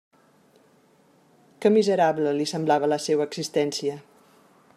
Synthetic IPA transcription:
kəmizəɾabləlisəmblaβələsɛwəːɡz̥ist̪ɛnsiə

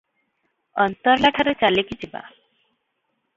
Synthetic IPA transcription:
ʌnt̪ɔɾlaʈʰaɾet͡ʃalekit͡ʃʰiba̰

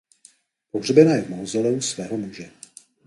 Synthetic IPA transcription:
po̞ɦrbɛnaːjɛvmowzɛlɛusvɛːɦo̞muʒɛ

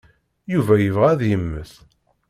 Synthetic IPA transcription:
juvæjəvʁæðjəmːəθ

